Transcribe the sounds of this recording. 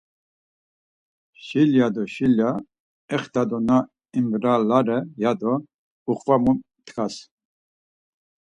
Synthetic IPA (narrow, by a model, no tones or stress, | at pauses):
ʃiljad̪ɔʃilja | ɛχt̪ʰad̪ɔna | imbɾalaɾɛjad̪ɔ | uχvamu | t̪ʰkas